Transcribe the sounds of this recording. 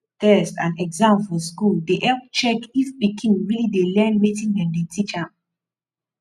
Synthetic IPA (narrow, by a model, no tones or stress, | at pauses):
tɛstã̰nɛɡzãmfɔskuldeʔɛlp̚t͡ʃɛkifpikʰĩnɹilidelɛ̃nmitĩnɛ̃ndetit͡ʃãm